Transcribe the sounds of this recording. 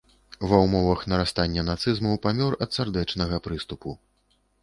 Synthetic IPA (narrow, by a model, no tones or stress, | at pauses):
vɐwmɔvɐxnɐɾast̪anʲːɐn̪at̪sɨzmɐwpamʲɔrɐt̪sard̪ɛt͡ʂnɐɣɐpɾɨst̪upu